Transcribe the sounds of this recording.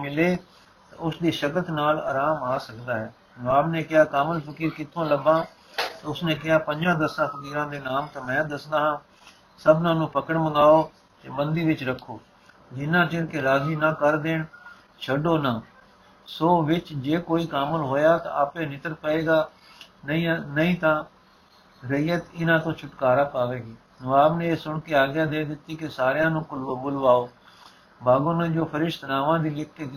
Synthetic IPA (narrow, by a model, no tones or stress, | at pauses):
mɪleː | t̪ãʊsd̪iːʃəkət̪naːla̰ːɾaːmaːsəkd̪aːɦɛː | aːbneːkɪaːkaːməlpʰəkiːɾkɪt̪ʰːõːləbãː | t̪ːʊsneːkɪɦaːpə̃ɲd͡ʒãːd̪əsãːpʰəkiːɾãːd̪eːnaːmt̪ãːmɛ̃ːd̪əsd̪aːɦãː | səbnãːnũːpəkəɽməŋaːoː | t̪eːbənd̪iːʋɪt͡ʃɾəkʰːoː | d͡ʒɪnːãːt͡ʃɪnkeɾaːziːnãːkəɾd̪eːɳ | t͡ʃʰəɖoːnãː | soːʋɪt͡ʃd͡ʒeːkoːiːkaːməlɦoːjaːt̪aaːpẽːnɪt̪əɾpəeːɡaː | inəĩːt̪ãː | ɾəɪjət̪ɪnãːt̪õːt͡ʃʰʊʈkaːɾaːpaːʋeːɡiː | nəʋaːbnẽːeːsʊɳkeaːɡjaːd̪eːd̪ɪt̪ːiːkɪsaːɾjãːnũːklbʊlʋaːoː | baːɡõːnẽːd͡ʒoːpʰəɾɪʃt̪naːʋãːd̪iːlɪk̚ʰke